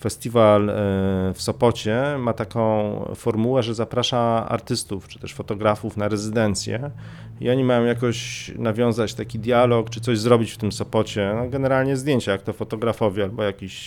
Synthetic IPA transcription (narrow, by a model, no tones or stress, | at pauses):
fɛst̪ʲival | fsɔpɔt͡ɕɛmat̪akɔ̃w̃fɔɾmuwɛʐɛzapɾaʂaa̰ɾt̪ɘst̪uft͡ʂɨ̥t̪ɛʂfɔt̪ɔɡɾafufnaɾɛzɘd̪ɛnt̪sʲjɛ̰ | ḭɔɲimajɔ̃w̃jakɔɕnavʲjɔ̃w̃zat͡ɕt̪akʲid̪ʲjalɔkt͡ʂɘ̥t̪sɔʑzɾɔbʲit͡ɕft̪ɘmsɔpɔt͡ɕɛnɔɡɛnɛɾalɲɛzd̪jeɲt͡ɕajak̚t̪ɔfɔt̪ɔɡɾafɔvʲjialbɔjakʲiɕ